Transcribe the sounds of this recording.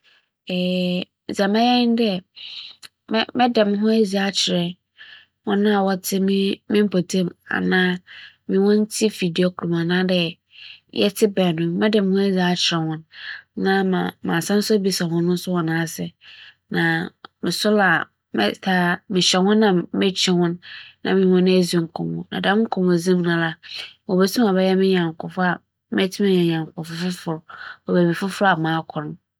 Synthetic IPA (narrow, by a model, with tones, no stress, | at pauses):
ɛː˨ | za˨mã˦jɛ˦nɪ̃˦n˦dɛ˦ | m˦mɛ̃˦dɛ˨mɪ̃˦ɦʊ̃˦æ˦zi˨a˦t͡ɕʰɪ˨ɾɛ˨ | wɔ̃˦nã˦a˨wɔ˦tʰɪ˦m˦mɪ̃˦m̩˦pʰo˨tʰẽ˦ma̰˨nãː˦ | mɪ̃˨wɔ̃˦n˦t͡sʰi˦fi˨di˨o˨kʰu˨ɾũ˨mã˨nã˦dɛ˦ | jʔɛ̰˦tʰɪ˦bɛ˨nʊ̃˨mɛ̃˦dɛ̃˨m˨hʊ̃˦æ˦zi˨a˦t͡ɕʰɪ˨ɾɛ˨hɔ̃˦nnã˦mã̰˨mã˨sã˦n˦sʊ˦bi˦sa˨hʊ̃˦nʊ̃˦n̩˦sʊ˦wɔ˨nã˨˦a˦sɛ˨ | nã˨mɪ̃˨sʊ˦la˨ | mɛ̰˦tʰa˨mɪ̃˨ɕɛ˨hʊ̃˦nːã˨mɪ̃˦t͡ɕʰᶣi˦hʊ̃˦nːã˨mɪ̃˨hɔ̃˦ñ˦e˦zi˦˨ŋ̩˨kʰɔ̰̃˨mʊ̰̃˨nã˨dã˦ŋ̩˦kʰɔ̃˨m˨ʊ̃˨zĩ˦m˦nʊ̃˦la˦wɔ˨be˦tʰĩ˦mã˨bɛ˦jɛ˦mɪ̃˦ɲã˨ŋ̩˨kʰʊ˨fʊ˦a˨ | m˦ɛ˦tʰi˦mã˦ɲã˨ɲã˨ŋ˨kʊ˨fʊ˦fʊ˦fʊ˨ɾɔ˨be˨bi˨fʊ˦fʊ˦ɾa˨mãː˨˦kʰʊ˨ɾm̃˨˦